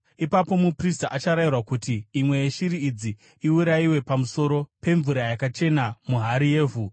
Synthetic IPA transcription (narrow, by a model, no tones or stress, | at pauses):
ipapo̞mupristaʔat͡ʃaɾairwakutiːmwe̞jeʃiɾiːd͡zi | iuɾaiwe̞pamuso̞ɾo̞pe̞ɱvuɾajakat͡ʃe̞namuɦaɾije̞ːvʱu